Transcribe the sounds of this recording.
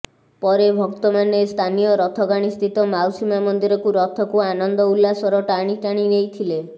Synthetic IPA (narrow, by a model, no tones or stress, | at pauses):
pɔɾebʱɔkt̪ɔmanest̪ʰanijɔɾɔt̪ʰɔɡaɽ̃ist̪ʰit̪ɔmawsimamɔnd̪iɾɔkuɾɔt̪ʰɔkuanɔnd̪ɔulːasɔɾɔʈaɽ̃iʈaɽ̃inejt̪ʰile